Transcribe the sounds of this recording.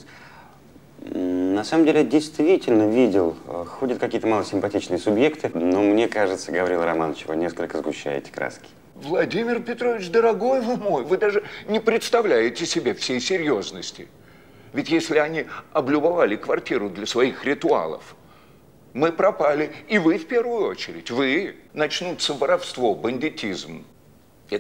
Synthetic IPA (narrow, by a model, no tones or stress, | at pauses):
nɐsaməmdʲelʲɪjadʲɪjst̪vʲitʲɪlʲnəvʲidʲɪlˠxo̞dʲət̪̚kɐkʲijət̪əmalˠəsʲɪmpɐtʲit͡ɕnɨjəsʊbje̞kt̪ɨnomnʲekaʐɨt̪səɡəvɐɾʲilˠɾɐmanət͡ɕvɨ̰nʲeskəlʲkəzɡʊɕːæ̰jɪ̰tʲɪ̥kɾa̰skʲɪ̥ | vlˠɐdʲimʲɪrpʲɪt̪ɾovʲɪt͡ɕd̪əɾɐɡo̞jvɨmojvɨd̪aʐɨnʲɪpɾʲɪt̪st̪ɐvlʲæjɪtʲɪsʲɪbʲe̞fsʲejsʲɪɾʲjoznəsʲtʲɪ | vʲɪtʲjesʲlʲɪɐnʲiɐblʲʊbɐvalʲɪkvɐrtʲiɾʊd̪lʲəsvɐixɾʲɪt̪ʊa̰lˠə̰f | mɨpɾɐpalʲɪːvɨfpʲe̞rvʊjʊo̞t͡ɕɪɾʲɪtʲvɨnɐt͡ɕnut̪səvəɾɐfst̪vo̞bənʲdʲɪtʲizm | ɛ